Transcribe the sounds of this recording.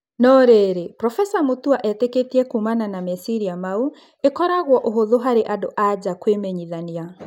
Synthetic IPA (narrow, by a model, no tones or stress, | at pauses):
nɔɾeɾepɾɔfɛsamotuaʔɛteketiɛkuːmananamɛsiɾiamau | ekɔɾaɣwɔʔoɦoðoɦaɾeʔadoʔad͡ʑakwemɛɲiðania